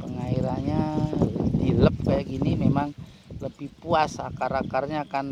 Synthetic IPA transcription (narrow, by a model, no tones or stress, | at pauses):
pəŋaiɾanɲa | diləp̚kajaɡinimemaŋ | ləbihpuasa̰kaɾakarɲaːkan